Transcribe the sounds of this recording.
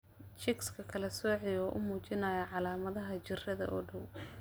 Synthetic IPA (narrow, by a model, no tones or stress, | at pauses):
t͡ʃɪkskʰɐkʰɐlɐsɔːʕɪjɔːʔʊ̰muːt͡ʃɪnɐjɐʕɑlaːmɐðɐɦɐt͡ʃɪrɐðɐ̰ʔɔːɖɐw